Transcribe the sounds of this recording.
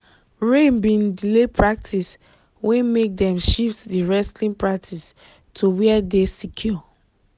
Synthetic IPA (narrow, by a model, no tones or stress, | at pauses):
ɹẽmbĩndilepʰɹak̚tʰis | wɛ̃mek̚dɛ̃mʃiftdiɹɛslĩnpɹak̚tʰis | tʰuwɛɛdesikʰju